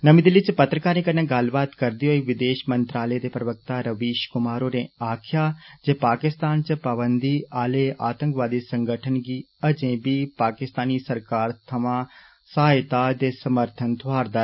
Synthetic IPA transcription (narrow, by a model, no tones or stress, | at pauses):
nəmĩːd̪elɪt͡ʃpət̪ɾəkaːɾnẽːkənẽːɡəlbaːt̪kəɾd̪iːɦoːiːʋɪd̪eːʃmənt̪ɾaːlɛd̪eːpɾəʋək̚t̪aːɾəʋiːʃkʊmaːɾoːnẽːaːkʰjaːd͡ʒeːpaːkɪst̪aːnt͡ʃpəbənd̪iːaːleːʔaːt̪ə̃ŋkʋaːd̪iːsəŋɡəʈʰənɡiː | əd͡ʒẽːbiːpaːkɪst̪aːniːsəɾkaːɾt̪ʰɐʋãː | saːjt̪aːd̪eːsəməɾt̪ʰənt̪ʰʊaːɾd̪aː